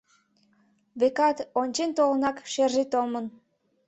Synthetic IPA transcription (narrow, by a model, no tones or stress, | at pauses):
βekɑt̪onʲt͡ɕent̪olənɑkʃerʒet̪omən